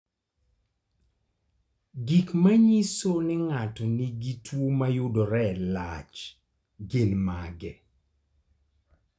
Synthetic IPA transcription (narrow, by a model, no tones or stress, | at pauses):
ɡikmaɲisonɪŋatɔniɡitwomajʊdɔɾɛlat͡ʃ | ɡenmaɡɛ